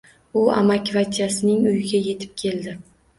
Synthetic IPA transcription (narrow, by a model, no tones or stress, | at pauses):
ʊa̰makʲvat̪ʰijasɪnɪŋʊjɪɡʲaje̞t̪ʰɪ̥p̚kʲʰe̞ld̪ɪ